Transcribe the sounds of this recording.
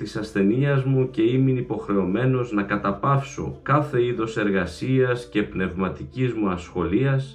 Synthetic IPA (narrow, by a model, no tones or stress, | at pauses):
t̪isɐsθe̞niɐzmuce̞iminipo̞xɾe̞o̞me̞no̞znɐkɐt̪ɐpɐfso̞̰kɐθe̞iðo̞se̞ɾɣɐsiɐsce̞pne̞vmɐt̪icizmuɐsxo̞liɐs